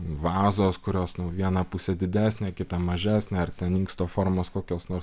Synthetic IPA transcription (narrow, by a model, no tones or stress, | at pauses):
ʋɑːzoːskʊɾʲoːsnʊʋʲiɛnɐpʊsʲɛd̪ʲɪd̪ʲæːsʲnʲeːkʲɪt̪ɐmɐʒʲæːsʲnʲeːɐrt̪ʲɛniŋkst̪oːfoːɾmoːskoːkʲoːsnoːɾs